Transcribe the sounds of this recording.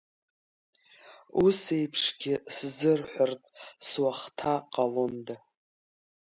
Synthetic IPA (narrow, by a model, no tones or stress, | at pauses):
use̞jpʰʂɡʲɪszɨrħʷartʼswaχtʰaqʼalonda